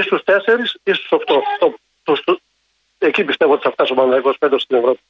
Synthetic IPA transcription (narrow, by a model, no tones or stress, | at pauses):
ist̪ust̪e̞se̞ɾisist̪u̥sokt̪ot̪o | t̪ust̪u | ecipist̪evoot̪isɐft̪ɐsopɐnd̪ɐiko̞sped̪ɾosst̪inevɾo̞pi̥